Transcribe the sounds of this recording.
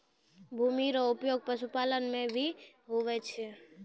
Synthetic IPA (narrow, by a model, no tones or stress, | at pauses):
bʱuːmiɾoʊpjoːɡ̚pəʃupaːlənmẽbʱi | ɦoʋɛt͡ʃʰe